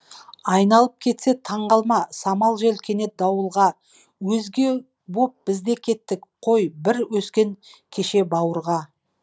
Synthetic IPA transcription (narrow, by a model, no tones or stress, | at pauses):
ɑjnɑlˠəp̚kʲʰe̞t̪se̞t̪ʰɑɴʁɑlˠmɑsɑmɑlˠʒe̞lkʲʰe̞ne̞t̪̚d̪ɑwəlˠʁɑ | wɵzɡʲe̞ | bo̞p̚b̥ɪzd̪e̞kʲʰe̞t̪ːɪkqʰo̞jbɪɾwɵskʲe̞ŋkʲʰeʃe̞bɑwəɾʁɑ